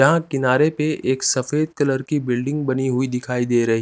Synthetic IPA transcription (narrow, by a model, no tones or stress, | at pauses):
ɐɦãkɪnaːɾepeʔeːksɐfeːd̪̚kɐləɾkibɪlɖɪ̃ŋɡ̚bɐniɦʊid̪ɪkʰaːid̪eːɾɐɦi